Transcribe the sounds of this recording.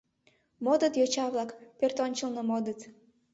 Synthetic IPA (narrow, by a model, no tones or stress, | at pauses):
mod̪ət̪jot͡ɕɑβlˠɑkpʲørt̪onʲt͡ɕəlnəmod̪ət̪